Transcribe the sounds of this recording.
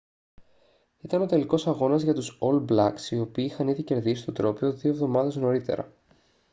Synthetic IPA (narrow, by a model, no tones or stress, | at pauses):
it̪ɐno̞t̪e̞liko̞sɐɣo̞nɐzʝɐt̪uso̞lblɐksio̞piːixɐniðice̞ɾðisist̪o̞t̪ɾo̞pioðio̞evðo̞mɐðe̞zno̞ɾit̪e̞̰ɾɐ̰